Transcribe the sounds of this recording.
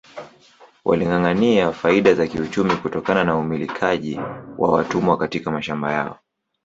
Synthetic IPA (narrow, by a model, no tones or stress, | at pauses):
wʔa̰liŋɡaŋaniafaiɗazakiut͡ʃumikutɔkananaumilikʰaʄḭwʔa̰watumwakatikamaʃamba̰ja̰ɔ̰